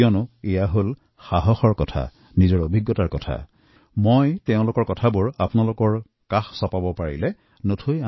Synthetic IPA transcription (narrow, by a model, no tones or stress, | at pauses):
ɔnʊejaɦol | xaɦɔxɔɹkɔtʰa̰ | nizɔɹobʱiɡːɔtaɹkɔtʰa̰ | mojtɛʊ̃lʊkɔɹkɔtʰabʊɹapʊnalʊkɔɹ | kaxsɔpabɔpaɹḭlɛ | notʰuja